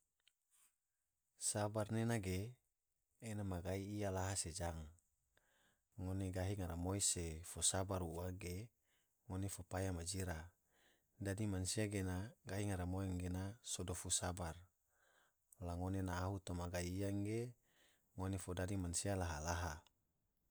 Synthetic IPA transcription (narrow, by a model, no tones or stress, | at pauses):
sabarnenaɡeː | namaɡaiːjalaɦased͡ʒaŋ | ŋːoneɡaɦiŋaɾamoisefosabaɾuaɡe | ŋonefopajamad͡ʒiɾa | dadimansiaɡenaɡaɦiŋaɾamoɛŋɡenasodofusabar | laŋonenaːɦut̪omaɡaiːaŋɡe | ŋonefodadimansialaɦalaɦa